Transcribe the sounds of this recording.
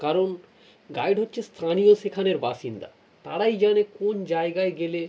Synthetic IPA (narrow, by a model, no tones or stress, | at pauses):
kaɾon | ɡajɖɦotːɕʰest̪ʰanijoʃekʰaneɾbaʃind̪a̰ | t̪a̰ɽajd͡ʑanekond͡ʑaeɡaeɡele